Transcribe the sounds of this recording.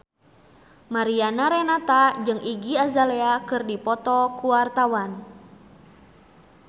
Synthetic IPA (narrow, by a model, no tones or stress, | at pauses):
maɾianaɾɛnat̪ad͡ʒɨŋʔiɡiazalɛakɨrdipɔt̪ɔkuart̪awan